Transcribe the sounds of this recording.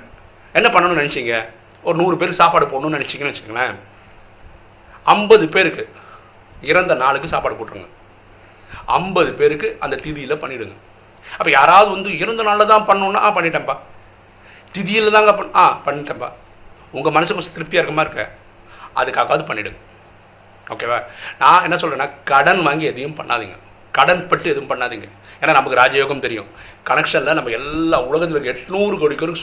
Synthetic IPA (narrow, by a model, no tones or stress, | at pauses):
ɛnːɐpɐɳːɐɳʊ̃nɐnɛt͡ʃːiːŋɡɐ | ɔɾɯnuːɾɯpeːɾkːsaːpaːɽɯpoːnʊ̃nɐnɛt͡ʃːiŋɡɐnɐnɛt͡ʃːɪkːiːŋɡɐlɐː | ɐmbɐðɯpeːɾɯkːɯ | ɪɾɐnd̪ɐnaːɭɯkːɯsaːpaːɽɯpoːʈːɯɾɯ̰ŋɡɐ | ɐ̰mbɐðɯpeːɾɯkːɯʔɐnd̪ɐt̪ɪðɪjɪlɐpɐɳːɪɽɯŋɡɐ | ɐpːɐːjaːɾaːʋɐðɯʋɐnd̪ɯɪɾɐnd̪ɐnaːlɐt̪ãːpɐɳːõːnːaːaːpɐɳːɪʈːẽːpaː | t̪ɪðɪjɪlt̪ãːŋɡɐpɐãːpɐɳːɪʈːẽːpa̰ː | ʊŋɡɐmɐnɐsɯkːʊ̃st̪ɪɾɯp̚t̪ɪaːɪɾɯkːɐmaːɪɾɯkːɐ̰ | ɐ̰ðɯkːaːɣaːʋɐðɯpɐɳːɪɽɯ̰ŋɡɐ | o̰ːkːeːʋaːnãːɛnːɐsɔlɾẽːnaːkɐɽɐnʋaːŋɡiɛðɐjʊmpɐ̰ɳːʔa̰ːðḭːŋɡɐ | kɐɽɐnpɐʈːɯɛðɯʋjʊ̃mpɐɳːaːðiːŋɡɐ | eːnaːnɐmːɐkːɯɾaːd͡ʒaːjoːɣɐmt̪ɛɾɪjʊ̰̃kɐnɛkʂɐnlɐnɐmːɐɛlːaːʊɭɐɣɐt̪̬ːɯʋɐkɡɛʈːnuːɾɯkɐɻɯkːɐɾɯkː